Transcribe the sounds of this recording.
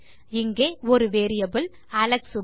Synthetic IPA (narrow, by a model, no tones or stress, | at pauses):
ɪŋɡeːɔɾɯʋeːɾɪjɐbɯl | ɐlɐksʊ